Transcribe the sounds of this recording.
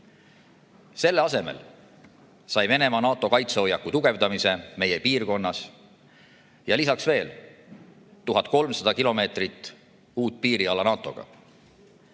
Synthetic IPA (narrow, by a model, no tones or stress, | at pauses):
se̞lːeɑse̞me̞̰l | sɑjve̞ne̞mɑnɑːt̪ːˑo̞kɑjt̪seo̞jːɑkːut̪uɡ̥e̞vd̪ɑmise̞me̞jepiːrko̞nːɑs | jɑlisɑksve̞ːl | t̪uɦɑt̪̚ˑko̞lmsɑd̪ɑkilo̞me̞ːt̪rit̪ːˑ | uːt̪̚ːpiːɾiɑlɑnɑːt̪ːˑo̞ɡ̥ɑ̰